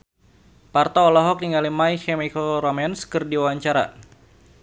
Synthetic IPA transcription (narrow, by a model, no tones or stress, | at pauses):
part̪ɔːlɔɦɔk̚niŋalimaikɛmikɔɾɔmɛnskɨrdiwawaɲt͡ʃaɾa̰